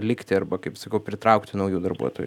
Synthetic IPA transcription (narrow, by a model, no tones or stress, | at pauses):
lʲɪkt̪ʲɪɐrbɐkɐɪpsɐkɐʊpʲɾʲɪt̪ɾɐʊkt̪ʲɪnɐʊjuːd̪ɐrbṵɔt̪o̰ːj